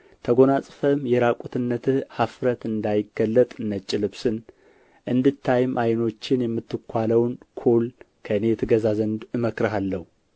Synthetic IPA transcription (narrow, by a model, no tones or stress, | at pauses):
t̪ʰəɡo̞nasʼfəmjɛɾakʼut̪ʰɨnːət̪ʰɨhafɾət̪ɨnd̪ajɪɡəlːət̪ʼɨnːət͡ʃʼːɪlɨβsɨn | ʔɨnd̪ɨt̪ʰːajɪmʔajno̞t͡ʃːɪnjɛmːɨt̪ʰːɨkʰʷːaləwnkʰol | kʰəɨne̞t̪ʰɨɡəzazənd̪ɨməkɾɦalːəhu